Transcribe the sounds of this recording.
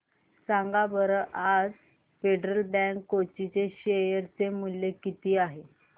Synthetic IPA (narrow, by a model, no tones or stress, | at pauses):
saŋɡabəɾəʔad͡z | feɖɾəlɖæŋkːot͡ɕit͡seɕejəɾt͡semulːekit̪iːaɦe